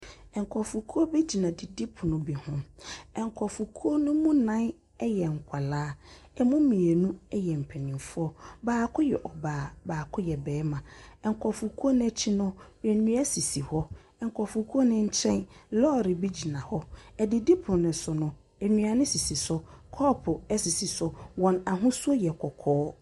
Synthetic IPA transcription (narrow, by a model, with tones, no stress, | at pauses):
ɛ˨ŋ˨kʰɔ˨fu˨kʰu˦o˦be˦d͡ʑi˨nã˨dɪ˨di˦pʰʊ˨nʊ̃˨bi˨hʊ̃˦mɛ˨ŋ˨kʰɔ˨fu˨kʰu˦o˦nʊ̃˦mũ˦nã˦n | ɛ˦jɛ˨ŋ̩˨kʷʰa˨laː˦ | ɛ˦mʊ̃˦mĩ˨e˨nũ˦ɛ˦jɛ˨m̩˨pʰɛ˨nɪ̃˨mfʊ˦ɔ˦baː˨kʰʊ˦jɛ̰˨ʔɔ˨baː˨baː˨kʰʊ˦jɛ˨bɛː˨˦mã˨ɛ˨ŋ̩˨kʷʰɔ˨fu˨kʰu˦o˦ñ˦ɛ˦t͡ɕʰɪ˦nʊ̃˦ɛ˨nũ˦ɛ˦si˨si˨hɔ˦ | ɛ˨ŋ̩˨kʰɔ˨fu˨kʰu˦nʊ̃˦ɲ̩˦t͡ɕʰɛ̃˦nlɔː˦˨ɾɪ˨bi˦d͡ʑi˨nã˨hɔ˦ɛ˨dɪ˨di˦pʰʊ˨nʊ̃˨sʊ˨nʊ̃˨ | ɛ˨nũ˨a˨nɪ̃˦si˨si˨sʊ˦kʰɔ˦pʰʊ˨ɛ˦si˨si˨sʊ˨wɔ̃˨na˨ɦʊ̃˦su˦o˦jɛ˨kʰɔ˨kʰɔː˦